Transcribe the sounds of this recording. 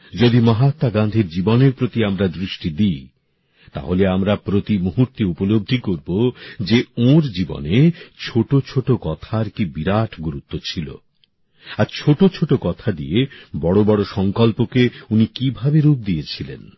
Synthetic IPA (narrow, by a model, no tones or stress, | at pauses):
d͡ʑod̪imaɦat̪ːaɡand̪ʱiɾd͡ʑiboneɾpɾot̪iamɾad̪ɾiʃʈid̪iː | t̪a̰ɦoleamɾapɾot̪imoɦuɾt̪eupolob̚d̪ʱikoɾbod͡ʑeõɾd͡ʑibo̰net͡ɕʰoʈot͡ɕʰoʈokɔt̪ʰaɾkibiɾaʈʰɡuɾut̪ːot͡ɕʰilo̰ | aɾt͡ɕʰoʈot͡ɕʰoʈokɔt̪ʰad̪ḭebɔɽobɔɽoʃɔŋkɔlpokeunikibʱabeɾup̚d̪ijet͡ɕʰilḛn